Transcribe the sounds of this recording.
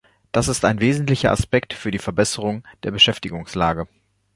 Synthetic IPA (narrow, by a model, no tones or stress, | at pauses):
d̥asɪstaɪnveːzn̩tlɪçɐʔa̰spɛktfyːɐdiːfɛɐbɛsəʁ̞ʊŋd̥eːɐbəʃɛftɪɡʊŋslaːɡə